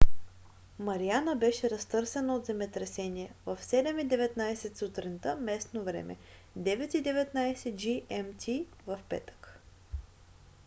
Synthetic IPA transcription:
mɐɾianəbɛʃɛɾɐst̪ɤɾsɛnəod̪zɛmɛt̪ɾɛsɛniɛvəfsɛd̪ɛmid̪ɛvɛt̪najsɛt̪sut̪ɾint̪əmɛsnovɾɛ̰mɛ̰ | d̪ɛvɛt̪id̪ɛvɛt̪najsɛd͡ʒiɛmt̪ʰʲi | vɐfpɛ̰t̪ə̥k

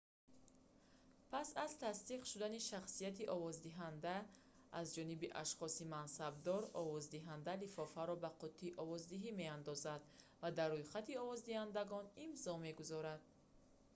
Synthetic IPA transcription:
pʰasazt̪ʰast̪iqʃud̪aniʃaχsijat̪iʔɔvɔzd̪iɦand̪aː | zd͡ʒɔnibiʔa̰ʃχɔsimansab̚d̪ɔɾɔvɔzd̪iɦand̪alifɔfaɾɔbaqʰɔt̪ʰːiʔɔvɔzd̪iɦime̞and̪ɔzad̪ | vad̪arːujχat̪iɔvɔzd̪ihand̪aɡɔnimzɔme̞ɡuzɔɾad̪̥̚

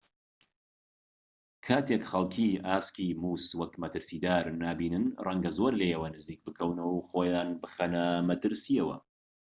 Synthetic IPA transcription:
kʰaːt̪ʰekxɐlˠkʰiaːskiːmuːswɐkmɐt̪ʰɨɾsiːd̪aːɾnaːbiːnɨnrɛŋɡɐzoːɾlejɐwɐnɨziːk̚bɨkʰɐwnɐwχoːjaːnbɨχɐnɐmɐt̪ʰɨɾsijɐwɐ̰

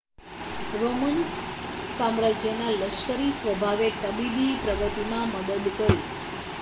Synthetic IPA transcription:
ɾomən | samɾad͡ʒjənaləʃkəɾisʋəbʱaʋet̪əbibipɾəɡət̪imãməd̪əd̪t̪əɾi

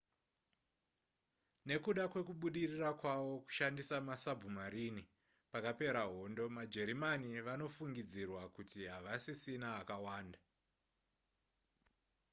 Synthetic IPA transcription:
ne̞kuɗakwe̞kuɓuɗirirakwaʋo̞ku̥ʃandisamasabʱumaɾini | pakape̞ɾaɦo̞ndo̞mad͡ʒe̞ɾimaniʋano̞fuŋɡid͡zirwakutiɦaʋasisinaːkawaːnda

